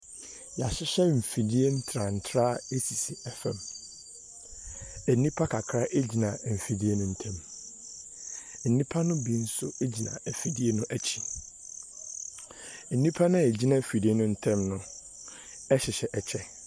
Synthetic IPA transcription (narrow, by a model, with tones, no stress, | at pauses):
ja˨ɕɪ˦ɕɛ˦m̩˨fi˨di˦e˦n̩˦tʰɾa˨n̩˨tʰɾaː˦e˦si˨si˨ɛ˦fɛ̃˨m | æ˨nĩ˦pʰa˦kʰa˨kʰɾa˦ʔe˦d͡ʑi˨nã˨m̩˨fi˨di˦e˦nʊ̃˦n̩˦tʰɛ̃˦m | n̩˨nĩ˦pʰa˦nʊ̃˦bi˦n̩˦sʊ˦e˦d͡ʑi˨nã̰˨e˨fi˨di˦e˦nʊ̃˦ʔæ˦t͡ɕʰi̥˨ | e˨nĩ˦pʰa˦nʊ̃˦e˨d͡ʑi˦nã˦˨fi˨di˦e˦nʊ̃˦n̩˦tʰɛ̃˦mnʊ̃˦˨ | ɛ˦ɕɪ˨ɕɛ˨ʔɛ˨t͡ɕʰɛ˦